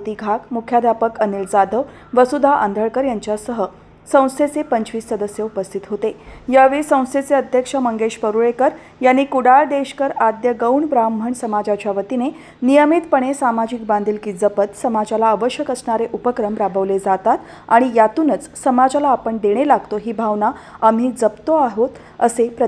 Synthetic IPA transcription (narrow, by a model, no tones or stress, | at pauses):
t̪iɡʱakmukʰjad̪ʱjapəkənild͡zad̪ʱəʋ | ʋəsud̪ʱaʔənd̪ʱəɭkəɾjaɲt͡ɕjasəɦə | sə̃w̃st̪ʰet͡sepəɲt͡ɕʋiːsːəd̪əsjəupəst̪ʰit̪ɦot̪ejaʋisə̃w̃st̪ʰet͡seəd̪ʱjəkʂəməŋɡeɕpəɾuɭekəɾ | janːikuɽaɭd̪eɕkəɾad̪jəɡəwɳbɾam̤ːʱəɳsəmad͡zat͡ɕjaʋət̪ine | nijəmit̪pəɽ̃esamad͡ʑikbãnd̪ʱilkiːd͡zəpət̪səmad͡zalaəʋəɕjəkəsɳaɾeʔupəkɾəmɾabəʋled͡zat̪at̪ | aɽ̃ijat̪uːnət͡ssəmad͡zalaːpəɳd̪eɽ̃elaɡt̪oɦiːbʱaʋnaam̤iːd͡zəpt̪oaɦot̪ | ə̰sepɾə